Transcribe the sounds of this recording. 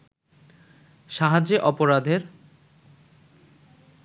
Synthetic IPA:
ʃaɦad͡ʑeʔɔpoɾad̪ʱeɾ

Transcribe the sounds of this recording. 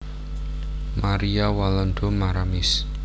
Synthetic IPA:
maɾiawalɔnd̪ɔmaɾamɪs

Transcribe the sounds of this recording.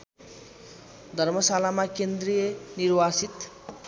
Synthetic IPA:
d̪ʱʌrmʌsalamakend̪rijʌnirwasit̪

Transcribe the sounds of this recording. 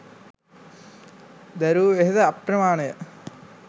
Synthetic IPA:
d̪ɐɾuːʋeɦɐðɐɐprɐmaːɳɐjɐ

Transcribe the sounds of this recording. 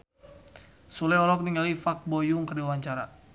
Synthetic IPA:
sulɛɔɾɔk̚niŋalifak̚bɔjuŋkərdiwaɲt͡ʃaɾa

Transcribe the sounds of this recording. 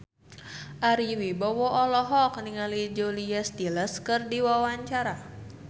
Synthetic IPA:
ʔaɾiwibɔwɔʔːlɔɦɔk̚niŋalid͡ʒoliast̪iləskɨrdiwawaɲt͡ʃaɾa

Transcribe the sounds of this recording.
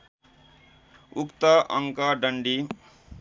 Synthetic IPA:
ukt̪ʌʔʌŋkʌɖʌɳɖi

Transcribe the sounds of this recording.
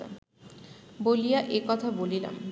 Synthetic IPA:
a̰ | bolijaʔekɔt̪ʰabolila̰m

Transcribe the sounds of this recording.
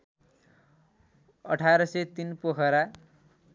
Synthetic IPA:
ʌ̰ʈʰaɾʌsʌt̪inpokʰʌɾa

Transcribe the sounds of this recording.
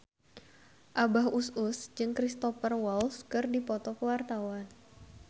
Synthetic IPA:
ʔabaɦusʊsd͡ʒɨŋkɾist̪ɔfərwɔlskɨrdipɔt̪ɔkəwart̪awan

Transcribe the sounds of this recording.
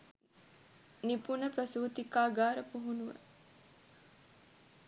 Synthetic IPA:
nipunəpɾɐsuːt̪ikaːɡaːɾəpuɦunuʋə̰

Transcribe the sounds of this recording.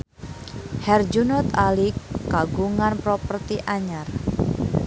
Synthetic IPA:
hɛrd͡ʒunɔt̪alikːaɡuŋanpɾopərt̪iʔaɲar

